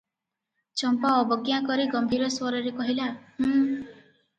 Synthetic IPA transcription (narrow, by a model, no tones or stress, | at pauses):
t͡ʃɔmpaɔbɔɡjakɔɾiɡɔmbʱiɾɔswɔɾɔɾekɔɦilahu